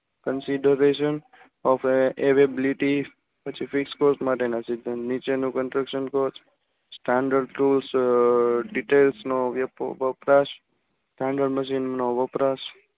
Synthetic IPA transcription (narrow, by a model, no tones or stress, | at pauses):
kənsiɖəɾeʃən | ɔfeʋebliʈi | pət͡ʃʰifikskoɾsmaʈenasid̪ʱənnit͡ʃenũkənsɾəkʃənkoɾt͡ʃ | sʈãɳɖəɾɖɾuls | ɖiʈelsnoʋʋəpɾaʃ | sʈãɳɖəɾɖməʃinnoʋəpɾaʃ